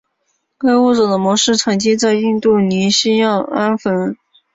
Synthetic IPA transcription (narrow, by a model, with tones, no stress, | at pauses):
ke˥ɪwu˥˩ʈ͡ʂɤ˨˩d̪ə˦mwɔ˧˥ʂɻ̩˥˩ʈ͡ʂʰɤ˨˩ŋt͡ɕi˥t͡sa˥˧ɪi˥˧nt̪u˥˩ni˧˥ɕi˥jɑ˥˩ŋa˥nfə˧˥n